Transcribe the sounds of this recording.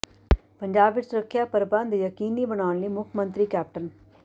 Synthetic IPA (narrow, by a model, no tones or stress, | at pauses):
pəɲd͡ʒaːbːɪt͡ʃsʊɾəkʰːjapəɾbə̃nd̪jəkiːnibəɽaːnliːmʊkʰmə̃nt̪ɾikɛːp̚ʈən